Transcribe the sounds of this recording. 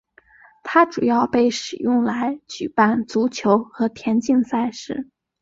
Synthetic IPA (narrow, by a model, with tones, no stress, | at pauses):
t̪ʰa˥ʈ͡ʂu˨˩jɑ˥˧ʊpe˥˩ɪʂɻ̩˨˩jʊ˥˩ŋla˧˥ɪt͡ɕy˨˩pa˥˩nt͡su˧˥t͡ɕʰjo˧˥ʊxɤ˧˥t̪ʰjɛ˧˥nt͡ɕi˥˧ŋsa˥˧ɪʂɻ̩˥˩